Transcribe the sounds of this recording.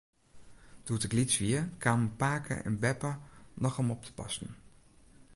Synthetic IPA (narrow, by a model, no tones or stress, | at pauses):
d̥uətɪklitsʋiəkaːməpaːkʰə̰ʔɛ̰nbɛpəlɑχəmɔp̚tʰə̥pɑ̰stən